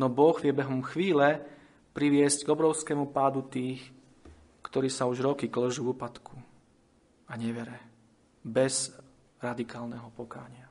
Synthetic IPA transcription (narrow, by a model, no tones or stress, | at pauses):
nɔbɔɣʋɪɛbɛɦɔmxʋiːlɛ | pɾiʋɪɛsɟɡɔbɾɔʊskɛmupaːd̪ut̪iːx | kt̪ɔɾiːsauʒɾɔkiklɔʒuvuːpat̪kʰu | aɲɛʋɛɾɛ | bɛz̥ | ɾad̪ikaːlnɛɦɔpɔkaːɲɪa